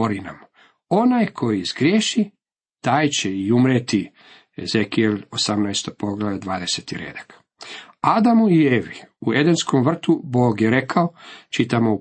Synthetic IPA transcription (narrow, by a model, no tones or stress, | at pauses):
oɾina̰m | o̞najkʰo̞jizɡɾjeʃi | t̪aːjt͡ɕeiumɾet̪i | ḛzekielʲosamnajst̪opo̞ɡlˠaʋed̪ʋaːd̪e̞set̪iɾḛːd̪ḁk | ad̪amuieːʋiued̪enskomʋr̩t̪uboːɡjeɾekʰaot͡ʃit̪amo